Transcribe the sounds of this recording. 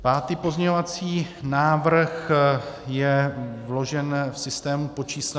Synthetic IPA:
paːt̪iːpo̞zɲɛɲovat͡siːnaːvr̩x | jɛvlo̞ʒɛnfsɪst̪ɛːmupo̞t͡ʃiːs

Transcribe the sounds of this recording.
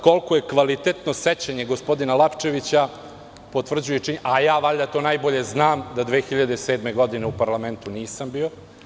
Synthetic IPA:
ko̞lkoje̞kʋalit̪et̪noset͡ɕaɲe̞ɡospo̞d̪inalˠapt͡ʃe̞ʋit͡ɕa | po̞t̪ʋr̩d͡ʑujet͡ʃiɲʔajaːʋaʎʲd̪at̪o̞ːnajbo̞ʎe̞znaːmd̪ad̪ʋeːxiʎad̪eseːd̪meɡo̞d̪ineupaɾlˠame̞nt̪uniːsambiːo̞

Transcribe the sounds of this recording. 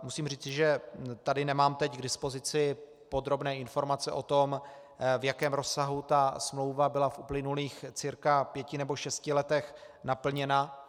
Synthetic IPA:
musiːmriːt͡sɪʒɛt̪adɪnɛmaːmt̪ɛcɡdɪspo̞zɪt͡sɪ | po̞d̪ɾo̞bnɛːɪnfo̞ɾmat͡sɛʔo̞t̪o̞m | vjakɛːmɾo̞saɦut̪asmlo̞wvabɪlafʔuplɪnuliːxt͡sɪɾkapjɛcɪnɛboʃɛscɪlɛt̪ɛx | napl̩ɲɛna

